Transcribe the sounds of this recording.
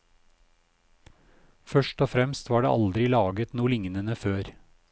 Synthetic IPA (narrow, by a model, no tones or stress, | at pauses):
fœʃʈɔːfɾɛmst̪ʋɑːɖḛːʔɑld̪ɾɪlɑːɡət̪nuːlɪŋnənəføːɾ